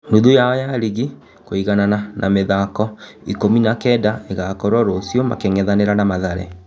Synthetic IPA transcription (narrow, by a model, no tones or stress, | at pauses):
nduðujaɔjaɾiɣi | koiɣanananʔameðakɔikominakɛdaeɣakɔɾɔɾosijɔma̰keŋɛðaneɾanamaðaɾɛ̰